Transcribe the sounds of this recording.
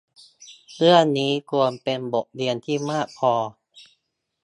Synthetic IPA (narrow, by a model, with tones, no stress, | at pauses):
ɾɯ˥˩əniː˦˥ku˧ənpe˧nbo˨˩k̚li˧ənt̪ʰiː˥˩maː˥˩k̚pʰɔː˧